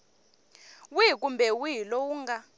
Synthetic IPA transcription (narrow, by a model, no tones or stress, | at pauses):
wik̬ʼumbʱɛwilowuŋɡa